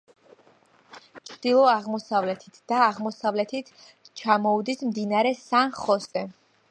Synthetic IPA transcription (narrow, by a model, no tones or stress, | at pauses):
t͡ʃʰɾd̪̥ilˠɔaʁmɔsavlɛt̪ʰit̪ʰd̪̥aːʁmɔsavlɛt̪ʰit̪ʰ | t͡ʃʰamɔud̪ismd̪inaɾɛsanχɔsɛ